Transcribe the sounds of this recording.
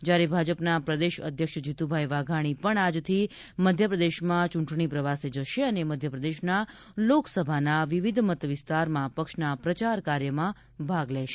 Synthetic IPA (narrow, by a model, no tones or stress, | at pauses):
d͡ʒjaɾebʱad͡ʒəpnapɾəd̪eʃə̰d̪ʱjəkʃd͡ʒit̪ubʱajʋaɡʱaɽ̃ipəɳad͡ʒt̪ʰi | məd̪ʱjəpɾəd̪eʃmãt͡ʃũɳʈɳ̃ipɾəʋased͡ʒəʃeəneməd̪ʱjəpɾəd̪eʃna | loksəbʱanaʋiʋid̪ʱmət̪ʋɪst̪aɾmãpəkʃnapɾət͡ʃaɾkaɾjəmã | bʱaɡlɛʃe̥